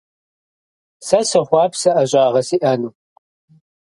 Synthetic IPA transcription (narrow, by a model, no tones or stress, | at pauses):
sɐsɨχʷɑːpsɐʔɐʑʷʼaːʁɐsiːʔɐnuː